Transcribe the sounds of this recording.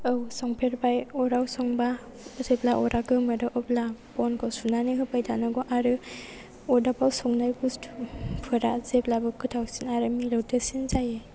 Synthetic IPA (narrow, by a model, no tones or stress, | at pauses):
awsɔŋpʰeɾbajɔɾawsɔŋba | zeplaʔɔɾʔaɡɯmɐɾɯʔɔp̚lapɔnkʰɔsunaniɦɯpajtʰanɯɡɔʔaɾɯ | ɔdapawsɔŋnajɡustʰpʰɯɾazeplabɯkɯtʰawsinaɾɯmilɔwtɯsinzaje